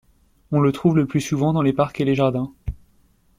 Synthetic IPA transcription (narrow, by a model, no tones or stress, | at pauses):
ɔ̃lət̪χuvləplysuvɑ̃d̪ɑ̃lepaʁkeleʒaʁd̪ɛ̃